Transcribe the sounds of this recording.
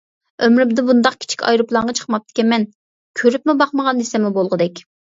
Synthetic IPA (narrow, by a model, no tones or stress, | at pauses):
ømɾymd̪ɪbund̪ɑq̚kʲʰɪ̥t͡ʃʰi̥kʲʰɑ̰jɾuplˠɑɴʁɑt͡ʃʰə̥χmɑp̚t̪ʰɪ̥kʲɛmɛn | kʲʰøɾypmɪbɑχməʁɑnːisɪmɪbolˠʁəd̪ɛkʲ